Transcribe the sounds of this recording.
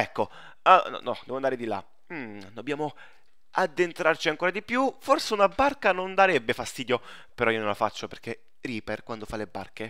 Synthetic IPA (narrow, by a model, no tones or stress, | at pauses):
ɛkːo | anɔ̰nɔ̰d̪ɛvoand̪aɾed̪ila̰ | m̩d̪obːjaːmo | ad̪ːent̪ɾart͡ʃiaŋkoːɾad̪ipjuforseunabarkanond̪aɾɛbːefast̪iːd̪jo | peɾɔionõnlafat͡ʃːoperke | riːperkwand̪ofalːeba̰rke